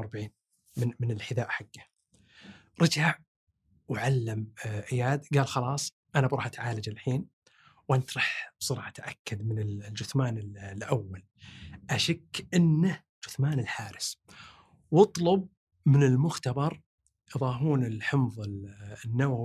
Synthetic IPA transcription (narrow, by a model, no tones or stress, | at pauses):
ɑɾˤbaʕiːn | mmɪnɪlħɪd̪aːʔħaɡːa | ɾˤɑd͡ʒaʕ | wʕalːamʔɪjaːd̪ɡaːlxɑlɑːsˤ | ʔanabɾˤɑːħʔat̪ʕaːlad͡ʒɪlħiːn | wʔant̪ɾˤɑːħsˤɨɾʕat̪aʕʔakːad̪mɪnɪlld͡ʒʊθmaːnɪllʔawːal | ʔaʃakːʔɪnːa | d͡ʒʊθmaːnɪlħaːɾɪs | wɑt̪ˤlʊb̚ | mɪnɪlmʊxt̪abɑɾˤ | ʔjɨðˤɑːɦuːnɪlħɪmðˤɪlnːawa